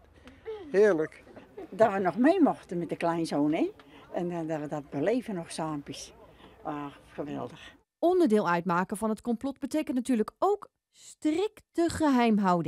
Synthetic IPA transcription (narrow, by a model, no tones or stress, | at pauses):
hɪːəɹləkdaʋənɔxmeːmɔxtəmɛtdəklɛjnzoːnɪɛndarədɔt̚bəleːvənɔxsaːmpisʋaːxəʋɛ̰lˠdəx | ɔndərdɪːlˠœɥtmaːkəvɑnɦətkɔmplɔtbətejkəntnatyːɹrləkowk | strɪktəχəɦɛjmɦɑwdə